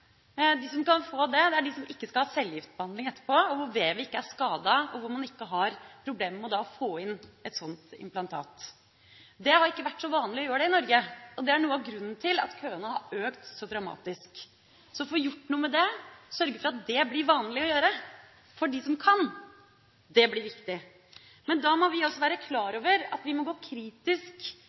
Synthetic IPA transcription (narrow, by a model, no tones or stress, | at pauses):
d̪ɪs̬ɔmkɑnfoːd̪ɛd̪ɛæɖɪsɔmʔɪkːəskɑlhɑːsɛlːjɪft̪bəhɑnd̪ɪŋɛt̪ːə̥ɾpʰoːɔʋʊɾʋeːʋɪɪkːəæʂkɑːd̪ɑɔʋʊɾmɑnɪkːəɦɑɾpʰɾʊbleːmmɛɔd̪ɑfoːɪnːɛt̪sɔnt̪ɪ̰mplɑnt̪ʰɑ̰ːt̪ | d̪ɛhɑɾɪkːəʋæʈːsɔʋɑːnlɪɔjøːɾəɖɛɪnɔɾɡəɔd̪ɛæɳuːəɑʋɡɾʉnːn̩t̪ʰɪlɑ̰t̪kʰøːənəhɑɾøːkt̪sɔd̪ɾɑmɑ̰ːt̪ɪsk | sɔfoːjʊʈːnuːəmɛd̪ɛsœɾɡəfɔɾɑt̪̚d̪ɛblɪɾʋɑːnlɪɔjøːɾə | fɔɖɪsɔmkʰɑn | d̪ɛblɪɾʋɪkt̪ɪ | mɛnd̪ɑmɔʋɪɔsːɔʋæːɾəkʰlɑːɾoːʋəɾɑt̪ʋɪmɔɡoːkʰɾiːt̪ɪsk